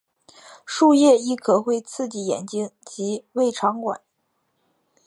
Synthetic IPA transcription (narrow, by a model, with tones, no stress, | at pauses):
ʂu˥˧jɛ˥˧i˥˩kʰɤ˨˩xwe˥˧ɪt͡sʰɹ̩˥˩t͡ɕi˧˩jɛ̰˨˩nt͡ɕi˥ŋt͡ɕi˧˥we˥˩ɪʈ͡ʂʰɑ˧˥ŋkwa̰˨˩˦n